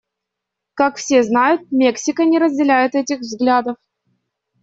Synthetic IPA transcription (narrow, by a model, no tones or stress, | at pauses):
kakfsʲeznajʊt̪̚mʲeksʲɪkənʲɪɾəzʲdʲɪlʲæjɪt̪ɛtʲɪxvzɡlʲad̪əf